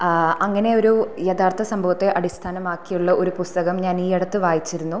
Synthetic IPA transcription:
ɐŋːɐne̞o̞ɾujet̪ʰaːrt̪ʰɐsɐmbʱɐʋɐt̪ːe̞ʔɐɽist̪ʰaːnɐmaːkːijuɭːɐʔo̞ɾupust̪ɐɣɐmɲaːniːeɽɐt̪ːɨʋaːjit͡ɕːiɾunːu

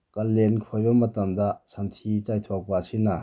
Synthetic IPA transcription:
kɐlːenkʰɔjbɐmɐtɐmd̪asʰantʰit͡ʃajt̪ʰɔk̚pasina

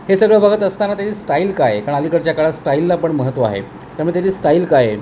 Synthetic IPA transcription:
hesəɡɭabʱaɡət̪əst̪anat̪jat͡ɕiːsʈailkajkaɾəɳalikəɽt͡ɕjakaɭasʈailːaːpəɳməɦət̪ʋaa̰ɦḛ | t̪jaɾməːɽt̪at͡ɕiːsʈailkaje

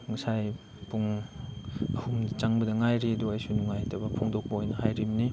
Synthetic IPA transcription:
ŋɐsaj | puŋ | ɐhumdɐt͡ʃaŋbɐdɐŋajɾiɐduɐjsunuŋajtʰɐbɐpʰoŋdok̚bɐojnɐhajɾimni

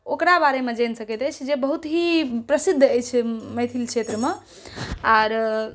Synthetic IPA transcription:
okɾabaɾemed͡ʒensəkət̪əjt͡ʃʰd͡ʒebəɦut̪ɦipɾəsid̪ʱːəjt͡ʃʰɛməjt̪ʰilt͡ʃʰet̪ɾəme | aːɾ

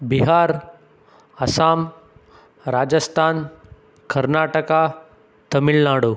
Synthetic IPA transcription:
biɦaːɾ | ɐsaːm | ɾaːd͡ʒəst̪ʰaːn | kɐɾnaːʈəka | t̪ɐmiɭnaːɽoː

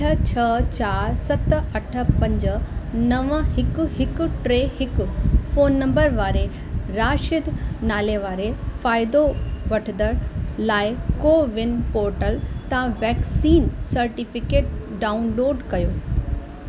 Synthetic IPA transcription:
ət͡ɕʰɐt͡ɕaːɾsɐt̪ɐʈʰə̆pɐ̃ɲd͡ʑə̆nɐʋəɦɪkʊ̆ɦɪkʊ̆ʈɾeːɦɪkʊfoːnːɐ̃mbəɾʋaːɾe | ɾaːʃɪd̪ʱnaːleʋaːɾefaːɪd̪oʋɐʈʰɪnd̪əɾlaːɪkoːʋɪnpoːɾʈəlt̪ɐãʋɛːksiːnsɐɾʈifɪkeːʈ̚ɖaːʊnloːɖkɐjoː

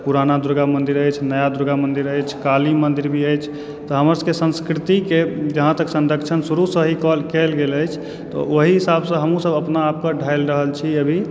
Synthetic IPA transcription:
puɾanad̪uɾɡamənd̪iɾəjt͡ʃʰnəjad̪uɾɡamənd̪iɾəjt͡ʃʰkalimənd̪iɾbʱiəjt͡ʃʰ | t̪ɔɦəməɾsəkesə̃nskɾit̪iked͡ʒəɦãt̪əksənɾəkt͡ʃʰənsuɾusəɦikɔlkelɡeləjt͡ʃʰ | t̪ɔ̰oɦiɦisabsə̃ɦəmũsəbəpnaːp̚kəɖʱajlɾəɦəlt͡ʃʰiəbʱi

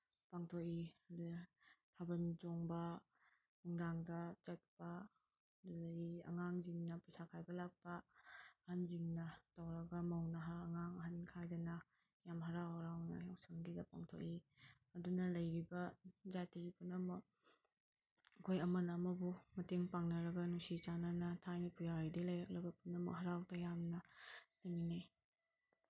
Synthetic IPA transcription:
paŋtʰokidtʰabɐnd͡ʒɔŋbɐ | huŋdaŋdɐt͡ʃɐt̚pɐ | dulaiɐ̰ŋaŋziŋnɐpɯsakʰajbɐlak̚pɐː | hanziŋnɐtawɾɐɡɐmawnaɦaːŋaŋɐɦankʰajdɐnɐ | jamɦɐɾawhɐɾawnɐ̰jawsɐŋɡidɐpa̰ŋtʰo̰k̚i | ɐdunɐlɐjɾibɐzatiɡipunɐmɐk̚ | kʰojɐmɐnɐːmɐbumɐteŋpaŋnɐɾɐɡɐnusit͡ʃananɐtʰajnipujaɾidilɐjɾɐk̚ɾɐɡɐpunɐmɐ̰k̚ɦɐɾawtɐjamnɐteŋine

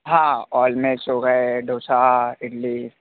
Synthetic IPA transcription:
ɦãːɔːlmẽt͡ʃoːɡəeɖʱoːsaɪʈli

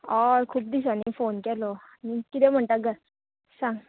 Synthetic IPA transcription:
ɔɾkʰuːp̚d̪is̬anifonkɛlɔanikit̪em̤əɳʈ̪aɡə | sãŋɡ

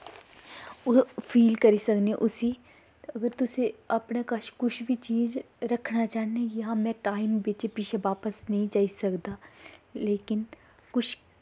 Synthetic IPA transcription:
ʊpʰiːlkɐɾisɐkneʔʊsi | ɐɡəɾt̪ʊseɐpnakɐʃkʊt͡ʃʰbʱit͡ʃiːd͡ʒ | ɾɐkʰnat͡ʃaːɦnejɐɦãmɛ̃ʈaːɪmbeːt͡ʃepiːt͡ʃʰeʋaːpəsnɐɦĩd͡ʒaːisɐkd̪aːleːkɪn | kʊt͡ʃʰ

